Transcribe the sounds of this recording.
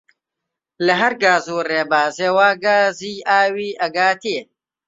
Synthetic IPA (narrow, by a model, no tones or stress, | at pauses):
lɐɦɐɾɡaːzuːreːbaːzeːwaːɡaːziːaːwiːʔɐɡaːt̪ʰeː